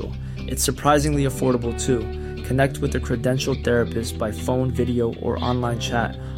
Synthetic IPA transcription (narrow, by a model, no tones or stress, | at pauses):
l̩ˠ | ʔɨtsə˞pʰɹ̥aɪzɪ̃ŋliəfɔɹɾəbl̩ˠtʰu | kʰɨnɛk̚t̚wɨðɨkʰɹ̥ɨdɛ̃nʃl̩ˠθɛɹɨpɨstsb̥aɪfõʊ̃nvɪɾioʊʔə̰˞ʔɑ̰̃nlãɪ̃nt͡ʃʰæ̰t̚